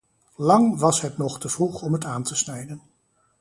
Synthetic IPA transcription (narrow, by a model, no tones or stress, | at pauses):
lɑŋʋɑsɦətnɔχtəv̥ruχɔmɦətaːntəsnɛjdən